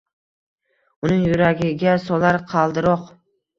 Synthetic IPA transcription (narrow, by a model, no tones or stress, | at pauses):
ʊnɪŋjʊɾaɡʲɪɡʲasɒlaɾqʰɑlˠd̪ɪɾɒq